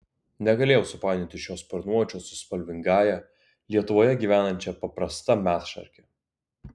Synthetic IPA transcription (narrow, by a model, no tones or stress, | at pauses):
nʲɛɡɐlʲeːjɛʊsʊpɑːd̪ʲɪnt̪ʲɪʃʲoːspʲɐɾnuɔt͡ʃʲoːsʊspɐlʲʋʲɪŋɡɑːjɛ | lʲiɛt̪ʊʋoːjɛɡʲiːʋʲæːnɐnʲt͡ʃʲɛpɐpɾɐst̪ɐmʲæːt̪ʃɐ̰ɾʲkʲɛ